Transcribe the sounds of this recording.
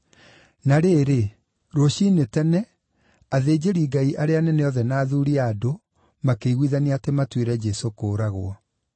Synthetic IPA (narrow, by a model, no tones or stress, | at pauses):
naɾeːɾe | ɾoɕinetɛnɛ | aðeːd͡ʑeɾiːɡaiʔaɾeanɛneɔðɛnaːðuɾiaːdo | makeiɣwiðaniatematweɾɛd͡ʒɛsokoːɾaɣwɔ